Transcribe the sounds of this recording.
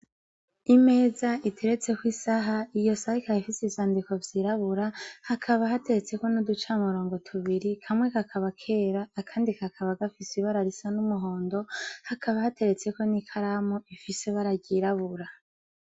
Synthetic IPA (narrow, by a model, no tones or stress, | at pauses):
ime̞ːzaitʰe̞ɾe̞t͡se̞kwiːsaɦaijo̞sahikahifisezaːndiko̞vjiːɾaβuɾahakʰaβaɦate̞ɾe̞t͡se̞ko̞nudut͡ʃaumuɾo̞ːŋɡo̞tʰuβiɾikʰamŋe̞kakʰaβakʰe̞ːɾaːkʰaːndikakʰaβaɡafisiβaɾaɾisanumuɦo̞ːndo̞hakaβahate̞ɾe̞t͡se̞ko̞nikʰaɾamoifise̞βaɾaɟiɾaβuɾa